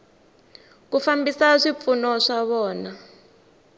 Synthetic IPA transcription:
kufambisaʂip̪funɔʂaβɔːna

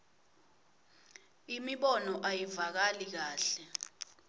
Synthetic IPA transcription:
imiɓɔnɔʔajivak̬alik̬aːɬɛ

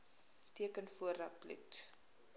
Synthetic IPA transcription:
tiəkənfuəɾɐplḭt

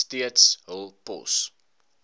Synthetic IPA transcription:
tiətsəlˠpɔ̰s

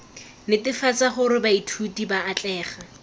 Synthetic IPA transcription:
nɪtɪfat͡saχʊɾɪbaitʰutibaːt͡ɬʼɛːχa

